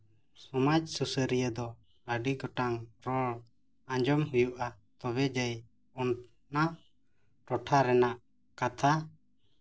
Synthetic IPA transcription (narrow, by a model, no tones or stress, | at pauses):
sɔmad͡ʒsusəɾijəd̪ɔ | əɖiɡɔʈaŋɾɔɭ | ãɲd͡ʒɔmɦujuʔa | t̪ɔbɛd͡ʒəj | ɔn | na | ɾɔʈʰaɾɛnaʔ | kat̪ʰa